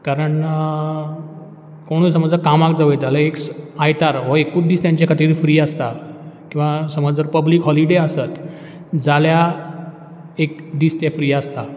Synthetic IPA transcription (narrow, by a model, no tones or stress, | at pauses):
kaɾəɳ | koɽ̃uːsəməd͡zəɾkamakd͡zaʋəd͡zalaeksajt̪aɾɦɔekuːd̪iːst̪jãɲt͡ɕakʰət̪iɾfɾiːast̪akĩw̃ʋasəməd͡zəɾpəbliːkɦɔliɽeasət̪ | d͡zalja | ek̚d̪iːst̪jafɾiːast̪a